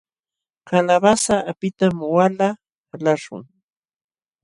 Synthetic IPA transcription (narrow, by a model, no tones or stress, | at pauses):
kalaβasapɪt̪amwala | laʃʊ̰ŋ